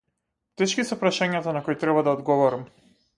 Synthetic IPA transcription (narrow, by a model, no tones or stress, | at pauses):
t̪ɛʃkisɛpɾaʃaɲat̪anakoɔjt̪ɾɛbad̪aɔd̪ɡɔvɔɾam